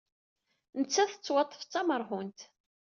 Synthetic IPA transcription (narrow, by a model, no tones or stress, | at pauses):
nət͡sːæθə̥t͡sːwɑt̪ˤːə̥ft͡sːɑməɾˤɦʊnt̪